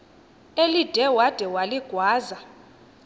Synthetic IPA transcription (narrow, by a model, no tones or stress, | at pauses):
elid̥ʱɛwad̥ʱɛwaliɡ̥ʱwaːza